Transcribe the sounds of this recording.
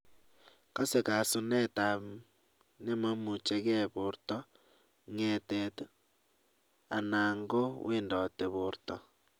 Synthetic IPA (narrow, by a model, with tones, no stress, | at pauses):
ka˦se˨ka˨su˦ne˦ta˨ | ne˦ma˦mu˨t͡ʃe˦ɣe˦βu˨ɾtɔ˦ | ŋe˨te˨t | a˨na˨ŋɡo˦wḭ˦ndɔ˨te˨βʊ˨ɾtɔ˨